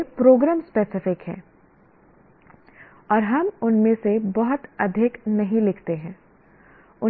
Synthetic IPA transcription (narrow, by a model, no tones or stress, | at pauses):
pɾoːɡɾɛːmspeːsɪfɪkɦɛ̰̃ː | ɔːɾɦɐmʊnmẽsebɔɦʊt̪ɐd̪ʱɪknɐɦĩlɪkʰt̪eɦɛ̃ː | ʊ